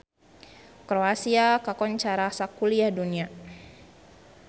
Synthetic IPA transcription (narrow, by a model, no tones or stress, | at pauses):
kɾoasiakakɔɲt͡ʃaɾasakuliahdunia